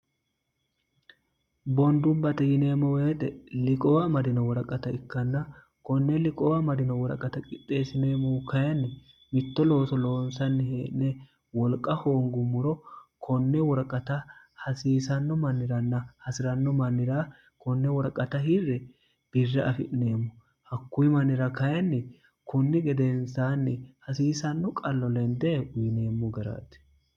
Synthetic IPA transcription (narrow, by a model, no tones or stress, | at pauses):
bɔnd̪ʊmbɐt̪ɛjɪne̞ːmɔweːt̪ɛlɪkʼɔwɐmɐd̪ɪnɔwɔɾɐkʼɐt̪ɐɪkːɐnːɐ | kɔnːɛlɪkʼɔwɐmɐd̪ɪnɔwɔɾɐ̰kʼɐt̪ɐkʼɪt̪ʼːe̞ːsɪneːmɔwkɐjɛnːɛ | mɪt̪ːɔlo̞ːsɔlo̞ːnsɐnːɪɦeːʔnɛ | wɔlkʼːɐhoːŋɡʊmʊɾɔkʰɔnːɛwɔɾkʼːɐt̪ɐ | hɐsiːsɐnːɔmɐnːɪɾɐnːɐhɐsɪɾɐnːɔmɐnːɪɾaː | kʰɔnːɛwɔɾkʼɐt̪ɐɦɪrːɛ | b̥ɪrːɛʔɐfɪʔne̞ːmːɔ | hɐkːʊjɪmɐnːɪɾɐkɐjɐnːɛ | kʊnːɪɡɛd̪ɛnsaːnːɛhɐsiːsɐnːɔkʼɐlːɔlɛnd̪ɛːʔʊjɪne̞ːmːɔɡɐɾa̰ːt̪ɛ̥